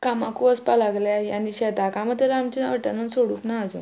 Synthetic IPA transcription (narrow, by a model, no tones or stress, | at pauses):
kamãkuəspalaɡljajaniɕɛt̪akãməd̪ʱeɾamt͡ɕiəʈanũnsoɽuːknaːd͡zo̰